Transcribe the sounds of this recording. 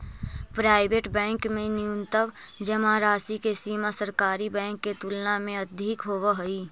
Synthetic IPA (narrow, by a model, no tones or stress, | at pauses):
pɾaːɪbeːʈbɛ̃ːŋkmẽnɪʊ̃nt̪əʋ | d͡ʒəmaɾaːsikesiːmasəɾkaːɾibɛ̃ːŋkːet̪ulnamẽɐd̪ʱikɦoːwaɦoiː